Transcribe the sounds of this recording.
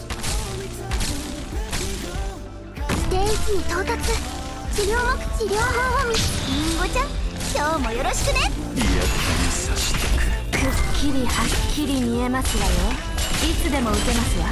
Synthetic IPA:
sɨ̥t̪eːikʲiɲ̟it̪o̞ːt̪at͡sɨ | t͡ɕiɾʲjo̞ːmokɯ̥t͡ɕiɾʲoːɦõomʲiiŋɡot͡ɕãkʲoːmo̞joɾoɕi̥kɯ̟ne̞ | ja̰aasaɕt̪akkʰɯkʲʰːiɾʲihakʲʰːiɾʲiɲie̞masɨjajo | it͡sɨd̪e̞mo̞ɯ̟ke̞masɨjo

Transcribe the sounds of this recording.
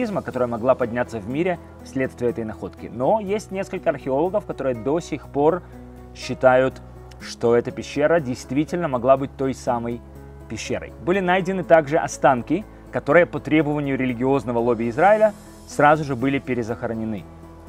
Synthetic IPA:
izməkɐt̪o̞ɾəjəmɐɡlˠapɐdʲnʲat̪səvmʲiɾʲɪ | fsʲlʲe̞t̪st̪vʲɪəɛt̪əjnɐxo̞t̪kʲɪ̰no̞jesʲtʲnʲe̞skəlʲkəɐrxʲɪo̞lˠəɡəfkɐt̪o̞ɾɨjəd̪o̞sʲɪxpo̞r | ɕːɪt̪ajʊt̪ | ʂt̪o̞ɛt̪əpʲɪɕːeɾədʲɪjst̪vʲitʲɪlʲnəmɐɡlˠabɨt̚ʲt̪o̞jsaməj | pʲɪɕːḛɾə̰jbɨlʲɪnajdʲɪnɨt̪aɡʐɨʔɐst̪ankʲɪ | kɐt̪o̞ɾɨjəpət̪ɾʲebəvənʲɪjʊɾʲɪlʲɪɡʲɪo̞znəvəlˠobʲɪɪzraɪlʲə | srazʊʐɨbɨlʲɪpʲɪɾʲɪzəxəɾənʲɪnɨ

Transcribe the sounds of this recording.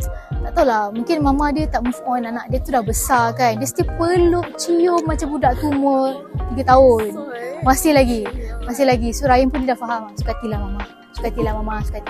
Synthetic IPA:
t̪aʔt̪aulamũŋkɪnmamadiət̪aʔməfʔɔnanaʔdiət̪udahbəsakandəst̪iəpəlʊʔt͡ʃijomat͡ʃambudaʔt̪umə | t̪iɡət̪aonmasɪhlaɡimasɪhlaɡisoɾajənpʊndiədaʔfaɦamsu̥kat̪ilahmama | su̥kat̪ilahmamasu̥kat̪i

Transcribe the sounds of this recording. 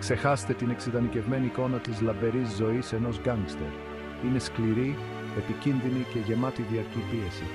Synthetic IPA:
kse̞xɐst̪e̞t̪ine̞ksiðɐnice̞vme̞niːko̞nɐt̪izlɐbe̞ɾizːo̞ise̞no̞zɡɐŋɡst̪e̞̰ɾ | ine̞skliɾi | e̞picinðinice̞ʝe̞mɐt̪iðiɐɾcipie̞si

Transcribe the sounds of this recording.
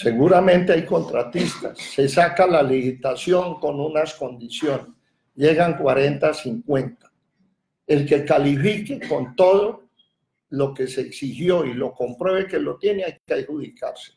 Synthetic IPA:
se̞ɣuɾamẽ̞nt̪e̞ajko̞nt̪ɾat̪ist̪a̰sːe̞sakalalihit̪asjo̞ŋko̞nunasko̞nd̪isjo̞nes | d͡ʒe̞ɣaŋkwaɾe̞nt̪asiŋkwent̪ḁ | e̞lke̞kalifikeko̞nt̪o̞ðo̞ | lo̞ke̞seːksihjo̞ilo̞ko̞mpɾwe̞βeke̞lo̞t̪je̞neajkeajhuðikaɾse̥

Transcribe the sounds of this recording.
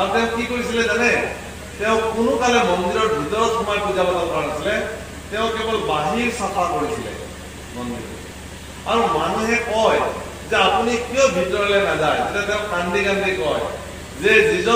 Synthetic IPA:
aɾut̪eʊ̃kikɔɾitʰiled͡ʒane | t̪eʊ̃kunukalemɔnd̪iɾɔbʱit̪ɔɾɔt̪ʰɔmapud͡ʒabat̪apanat̪ʰile | t̪eʊ̃kebɔlbaɦiɾsɔpakɔɽit̪ʰilḛ | mɔnd̪ḭɾɔ̰ | aɾumanuɦekɔe | d͡ʒeapunikjɔbʱit̪ɔɾlenad͡ʒaed͡ʒeʈat̪eʊ̃kaɳɖikand̪ʱikɔe | d͡ʒed͡ʒid͡ʒɔ

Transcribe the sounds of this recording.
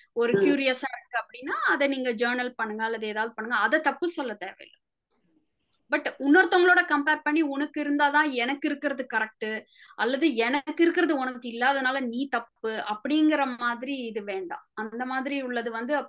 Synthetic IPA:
ɔɾɯkjuːɾɪjɐsaːɪɾɯɯkːɯɐpːɐɽɪnːaːɐðɛniːŋɡɐd͡ʒɐːɾnɐlpɐɳːɯŋɡɐːlːɐðɯeːðaːʋðɯpɐɳːɯŋɡɐːðɛt̪ɐpːɯsɔlːɐt̪eːʋɛ̰jlːɐ | bɐʈːʊnːɐɾt̪ːɔŋɡɐɭoːɽɐkɐmpeːɾpɐɳːiɔnɐkːɪɾɯnd̪aːt̪ãːɛnɐkːɪɾɯkːɪɾɐðɯkɐɾɛk̚ʈɯ | ʔɐlːɐðɯɛnɐkːɪɾɯkːɪɾɐðɯɔnɐkːɯɪlːaːðɐnaːlɐniːt̪ɐpːɯɐpːɐɽɪjŋɡɪɾɐaːðɪɾiɪðɯʋeːɳɖã̰ːɐnd̪ɐmaːðɪɾiʊɭːɐðɯʋɐnd̪ɯ

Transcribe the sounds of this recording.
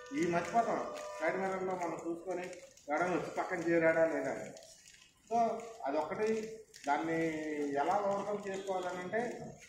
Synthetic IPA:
iːmɐt̪ːipɔːt̪ɐmsɐɽmɛnɐɾloːmɐnɐmt͡ʃuːsu̥koːni | ʋɛɽɐnʋot͡ʃːi̥pɐkːɐnt͡ʃeːɾɛːɽaːleːna̰ːḭ | soːɐd̪iɔkːɐʈid̪aːnːiɛlaːɡɐʋɐɾt̪ɐmt͡ʃeːsukɔːʋaːlɐnːɐɳʈe̞ː

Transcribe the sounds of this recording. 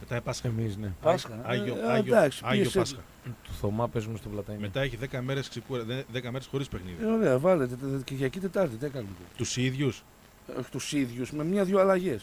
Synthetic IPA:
met̪ɐepɐsxemisnepɐsxɐʝoɐʝd̪ɐksi̥ɐʝieospɐsxɐ | t̪u̥θomɐpe̞zumest̪ovlɐt̪ɐme̞t̪ɐeçiðekɐme̞ɾesksekuɾɐðeðekɐmeɾesxo̞ɾispe̞xniðio̞ɾe̞ɐvɐlet̪e̞t̪ceʝɐcit̪e̞t̪ɐɾt̪it̪iekɐnet̪et̪usiðʝus | oçt̪usiðʝusme̞mɲɐðʝoɐlɐʝe̞s

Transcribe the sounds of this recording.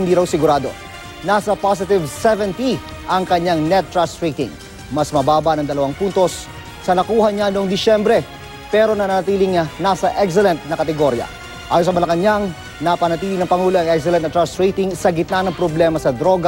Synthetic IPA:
ɪnd̪iːɾɐwsɪɡʊɾaːd̪o̞̰ | naːsɐpas̬ɪt̪ɪvsɛvɛnt̪i | ʔɐŋkɐɲaŋnɛt̪ːɹast̪ɹejt̪ɪ̰ŋ | mɐsmɐbaːbɐnɐŋd̪ɐlɐwaŋpuːnt̪o̞sː | ɐnɐkuːhɐɲanoʔoŋd̪ɪʃɛmbɾɛ | pɛːɾo̞nɐnɐnɐt̪iːlɪŋanasɐʔɛks̬ɛlɛnt̪̚nɐkɐt̪ɛɡo̞ɾjɐ̰ | ʔaːjosɐmɐlɐkɐɲaŋ | nɐpɐnɐt̪iːlɪŋnɐŋpɐŋuːloɐŋɛks̬ɛlɛnt̪ɐt̪ɹast̪ɹejt̪ɪŋsɐɡɪt̪̚nanɐŋpɾoblɛːmɐsɐd̪ɾo̞ɡa

